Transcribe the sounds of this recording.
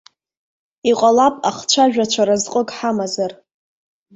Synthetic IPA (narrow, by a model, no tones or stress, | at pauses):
iqʷʼalapʼaχt͡ʃʷʰaʒᶣat͡ʃʷʰaɾazqʼəkʼħamazar